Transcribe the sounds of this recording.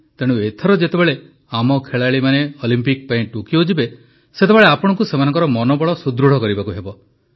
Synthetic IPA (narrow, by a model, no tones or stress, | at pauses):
t̪eɽ̃ũet̪ʰɔɾɔd͡ʒet̪ebeɭe | amɔkʰeɭaɭimaneɔlimpik̚paĩʈukiod͡ʒibe | set̪ebeɭeapɔɽ̃ɔŋkusemanɔŋkɔɾɔmɔnɔbɔɭɔsud̪ɾuɽ̤ɔkɔɾibakuɦebɔ